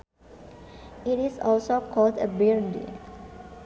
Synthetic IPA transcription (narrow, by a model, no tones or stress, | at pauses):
itisɔlsokʰɔldəbiɹdḛ